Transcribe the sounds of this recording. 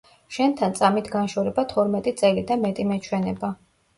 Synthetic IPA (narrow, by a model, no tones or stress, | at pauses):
ʃɛnt̪ʰant̪sʼamit̪ʰɡanʃɔɾɛbat̪ʰɔɾmɛt̪ʼit̪sʼɛlid̪amɛt̪ʼimɛt͡ʃʰwɛnɛba